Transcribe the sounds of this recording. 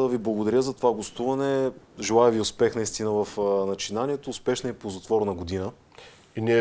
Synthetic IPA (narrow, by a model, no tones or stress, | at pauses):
d̪əviblˠɐɡod̪ɐɾʲjəzɐt̪ovaɡost̪uvɐnɛ | ʒɛlˠajɛviʊspɛxnɐist̪inəvɐfnɐt͡ʃinaniɛt̪oːspɛʃnɐipozɐt̪vɔɾnɐɡod̪inə | iniɛ